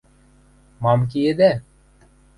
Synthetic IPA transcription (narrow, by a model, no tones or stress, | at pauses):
mɑmk̬ied̪æ